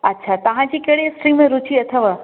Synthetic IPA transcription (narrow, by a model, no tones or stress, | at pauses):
ɐtːʃʰat̪ɐʋ̤ãd͡ʑikeɽisʈɾimẽɾʊt͡ɕiɐt̪ʰəʋə